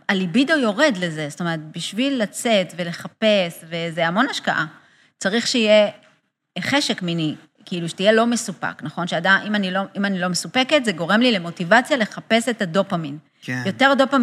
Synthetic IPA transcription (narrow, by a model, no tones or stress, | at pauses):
alibidojo̞ʁe̞dle̞ze̞st̪omeʁet̚biʃvilːat͡se̞t̪ve̞le̞χape̞sve̞zeamo̞naʃka̰ʔa | t͡saʁiχʃeije | χeʃe̞kmini | kiiluʃe̥tije̞lo̞me̞supa̰knaχo̞nʃeadaʔimanilo̞imanilomesupeketzeɡo̞ʁe̞mlile̞mo̞tivat͡sjale̞χape̞se̞tado̞pamin | jo̞te̞ʁdo̞pam